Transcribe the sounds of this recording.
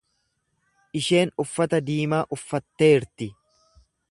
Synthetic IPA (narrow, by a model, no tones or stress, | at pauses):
ʔɪʃe̞ːnʊfːɐt̪ɐd̪iːmaːʔʊfːɐt̪ːe̞ːɾt̪ɪ